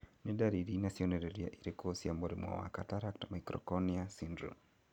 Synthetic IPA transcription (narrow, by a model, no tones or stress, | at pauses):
nidaɾiɾinasiɔnɛɾɛɾia̰ʔiɾikɔːsiamɔɾimwa̰wa̰kataɾaktamaikɾɔ̰kɔniasindɾṵ